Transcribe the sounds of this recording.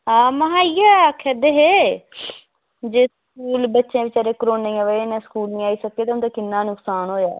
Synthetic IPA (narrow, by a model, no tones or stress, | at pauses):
aːməɦaːiaːɛəkʰɛd̪eɦeː | d͡ʒeːskuːlbətːʃẽːʋɪt͡ʃəɾeːkɾoːneiːɛ̃ʋəenẽːskuːlnĩːaːiːsəkːeːt̪eʊnd̪aːkɪnːãːnʊksaːnɦoːja̰ː